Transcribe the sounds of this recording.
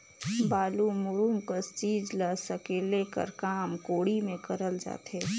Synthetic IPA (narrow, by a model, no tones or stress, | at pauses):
baːlumʊɾumkəst͡ʃiːd͡ʒləsəkeːlekə̰ɾkaːmkoːɽimẽkəɾəld͡ʒa̰ːt̪ɦe